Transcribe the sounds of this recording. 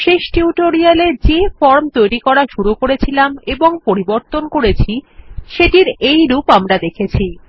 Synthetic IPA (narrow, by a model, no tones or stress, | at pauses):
ʃeʃʈiuʈoɾialeɾd͡ʑefɔɾmt̪ojɾikɔɾaʃuɾukoɾet͡ɕʰilameboŋpoɾiboɾt̪onkoɾet͡ɕʰiʃeʈiɾejɾupamɾad̪ekʰet͡ɕʰi